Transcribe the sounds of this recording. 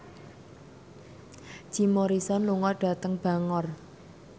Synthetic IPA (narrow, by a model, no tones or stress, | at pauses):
d͡ʒ̥imoɾisɔnluŋɔrɖ̥ä̤t̪əŋb̥a̤ŋɔr